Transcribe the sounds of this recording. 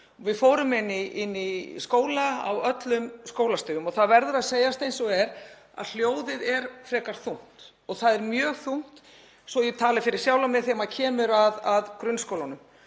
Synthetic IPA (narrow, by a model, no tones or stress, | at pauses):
vɪðfoːwɾʏmɪnːɪɪnːiskoːwlaa̰wœt̪lʏmskoːwlast̪ʏːʏmɔθaðvɛɾðʏɾaðseːjast̪ejnsɔɣɛɾ | a̰ðl̥joːwðɪðɛɾ̥fɾɛːkaɾ̥θun̥t̪ | ɔɣθaðɛɾmjœːɣθun̥t̪ | svɔjɛt̪ʰaːlɪfɪɾɪ̥sjawlamɪθɛːmacʰɛːmʏɾaðaðkɾʏnskowlanʏm